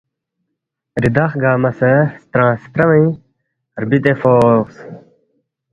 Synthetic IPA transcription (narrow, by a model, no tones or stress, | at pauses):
ɾid̪ɐχɡaːmɐsɐst̪ɾãːst̪ɾɐmɐj | ɾbit̪efoːks